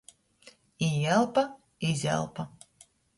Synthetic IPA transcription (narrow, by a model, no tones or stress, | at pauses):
iɛlˠpa | izʲæ̰lˠpa